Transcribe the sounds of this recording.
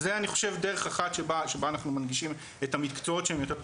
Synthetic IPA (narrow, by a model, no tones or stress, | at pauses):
zeaniχo̞̥ʃe̞vde̞ʁe̞χaχat̪ʃebaʃebaːnaχnumanɡiʃim | ethamitkt͡soo̞tʃeemjo̞t̪e